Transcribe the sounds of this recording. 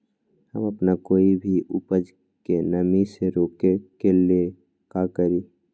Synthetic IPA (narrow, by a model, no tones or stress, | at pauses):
həməpnakoːibʱiʔupəd͡ʒ | kenəmiseɾoːkekelie | kakəɾiː